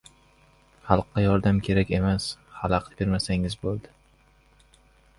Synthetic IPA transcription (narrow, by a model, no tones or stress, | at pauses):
χɑlˠqːɑjɒɾd̪amkʲʰe̞ɾakʲe̞mashalˠɑqbe̞ɾmasaŋɪzbolˠd̪ɪ